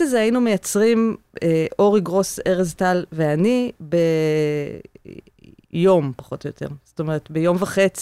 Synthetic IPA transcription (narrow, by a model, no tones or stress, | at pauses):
ʃezeajinumejat͡sʁim | eʔo̞ʁiɡʁo̞seʁeztalveanibe | jo̞mpḁχo̞tojotʰḛʁsto̞meʁetbejo̞mvaχet͡s